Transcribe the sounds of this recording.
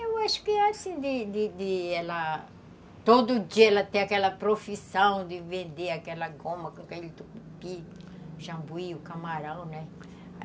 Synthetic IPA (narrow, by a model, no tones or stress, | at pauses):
ewaʃʊ̥kɪasĩd̪ɪd̪ɪd̪ɪɛlɐ | t̪od̪ʊud͡ʒiɐɛlɐt̪ẽj̃akɛlɐpɾofisɐ̃w̃d̪ɪvẽnd̪eakɛlɐɡõmɐkõkailt̪ukupiuʒɐ̃mbuiukamaɾɐ̃w̃nɛ